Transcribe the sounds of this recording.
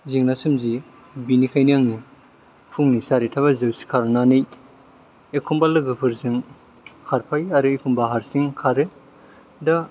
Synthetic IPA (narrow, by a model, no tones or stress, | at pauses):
ziŋnasɯmzi | binikʰajnijaŋni | pʰuŋnisaɾitʰaβɐzɯwsi̥kʰaɾɯnanɯj | ekʰumbalɯɡɯpʰɯɾzɯŋ | kʰaɾpʰajaɾɯekʰumbaɦaɾsiŋkʰaɾɯ | da